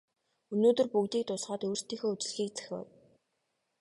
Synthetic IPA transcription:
ɵnoːt̪ɵ̆rpukt̪iːk̚t̪ʊsɢaːt̪uːr̥st̪iːŋxoːut͡ɕ̆ɮ̆xiːk̚t͡sæ̥xʲɔ̰w

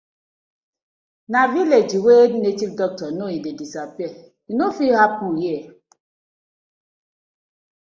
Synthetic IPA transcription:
naviled͡ʒiwednet͡ʃifdɔk̚tɔnoidedisapiɛ | inofihapujɛ

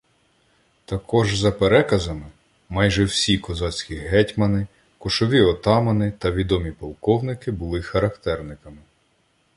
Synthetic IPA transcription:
t̪ɐkɔʒzɐpeɾɛkɐzɐmɪ | mɑjʒɛwsʲikɔzɑt͡sʲkʲiɦɛtʲmɐnɪ | kɔʃɔʋʲiɔt̪ɑmɐnɪt̪ɐʋʲid̪ɔmʲipɔlˠkɔwnɪkɪbʊlˠɪxɐɾɐkt̪ɛrnɪkɐmɪ

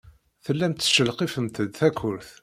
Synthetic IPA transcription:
θəlːæmt̪ːə̥ʃəlqifəmt̪əd̪θækːʊɾθ

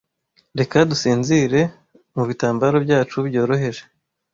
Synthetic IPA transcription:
ɾe̞kadusiːnziɾe̞ | muβitaːmbaɾobɟaːt͡ʃubɟo̞ːɾo̞ɦe̞ɾe

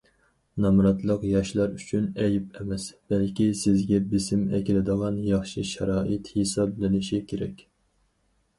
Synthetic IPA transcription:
nɑmɾɑt̪lˠəqjɑʃlˠɑɾyt͡ʃʰynɛjip̚ɛmɛsb̥ɛlkʲisɪzɡʲɛbɪsɪmɛ̰kʲilɪd̪əʁɑnjɑχʃiʃɛɾɑːʔɪt̪hesɑblɪnɪʃikʲʰeɾɛkʲ

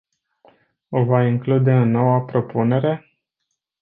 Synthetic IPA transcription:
o̞vaiŋklud̪e̞ɨnːo̞wəpɾo̞pune̞ɾe̞

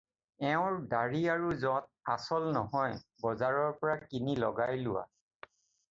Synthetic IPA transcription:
ɛʊ̃ɹdaɹiaɹuzɔ̃t̚asɔlnɔɦɔjbɔzaɹɔɹpɔɹakinilɔɡajlʊwa̰

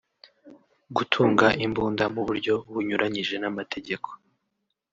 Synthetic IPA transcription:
ɡutʰuːŋɡaʔimbuːndamuβuɾɟo̞βuɲuɾʔaɲiʒe̞namatʰe̞ɟe̞kʰo̞̥

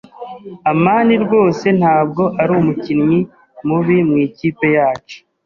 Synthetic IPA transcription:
amaːniɾɡo̞ːse̞n̥haːbɡo̞ʔaɾumucinɲi | muβimŋiːciːpe̞jaːt͡ʃo̥

